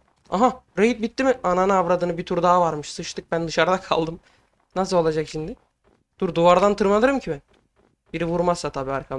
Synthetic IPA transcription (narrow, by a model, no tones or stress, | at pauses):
aɦaɾeɦit̪̚bit̪ːimɪananɯavɾad̪ɯːnɯbit̪ʰuɾd̪aɦavaɾmɯʃsɯʃt̪ɯk̚bænd̪ɯʃaɾd̪akʰa̰lˠd̪ɯm | nas̬ɯo̞lˠad͡ʒakʃimd̪ɪ | t̪uɾd̪uvaɾd̪ant̪ʰɯɾmalˠɯɾɯmcʰibæn | biɾivuɾmazsat̪ʰabiːaɾkʰa